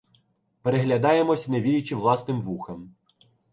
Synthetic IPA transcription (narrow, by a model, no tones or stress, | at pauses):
peɾeɦlʲɐd̪ɑjemɔsʲneʋʲiɾʲit͡ʃiʋlˠɑsnɪmʋuxɐm